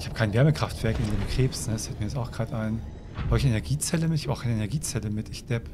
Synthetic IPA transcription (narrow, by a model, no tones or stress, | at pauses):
ɪçhaːbəkʰaɪnvɛɐməkʁ̥aftv̥ɛɐkɪndeːmkʁ̥eːpsnədsfɛlt̚miːjɛt͡staʊxɡ̥ʁaːtʔaɪn | hoɪçenɛɐɡiːt͡sɛləmɪtɪçabaʊxkaɪnəenɛɐɡiːt͡sɛləmɪtɪçd̥ɛp